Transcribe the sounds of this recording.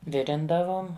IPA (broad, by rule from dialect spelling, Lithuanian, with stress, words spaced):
ˈʋʲɪrʲɪndɐʋoːm